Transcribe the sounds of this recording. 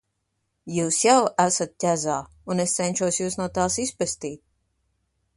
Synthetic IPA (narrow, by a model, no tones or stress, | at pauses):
juːsjawæsat̪̚tʲæzaː | unest̪sɛnʲʃuɔsjuːsnuɔt̪aːsispɛst̪iːt̪̚